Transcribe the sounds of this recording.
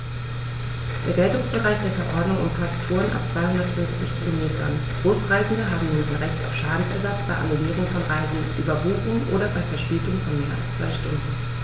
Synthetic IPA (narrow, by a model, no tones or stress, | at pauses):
d̥ḛːɐɡɛltʊŋsb̥əʁaɪçd̥eːɐfɛɐʔɔɐdnʊŋʔʊmfasttʰːoːənʔa̰p̚t͡sv̥aɪhʊndɐtfʏnft͡sɪçkʰilomeːtʰɐ̰nɡ̥ʁoːsʁaɪzn̩dəɦaːbm̩nuːnanʁɛçta̰ʊfʃaːdn̩sɛɐzat͡sb̥aɪʔa̰nuliːʁʊŋfɔnʁaɪzn̩ʔyːbɐvuːfn̩ʔo̰ːɾɐbaɪfɛɐʃpeːtʊŋfɔnmeːɐʔa̰lst͡sv̥a̰ɪʃtʊndn̩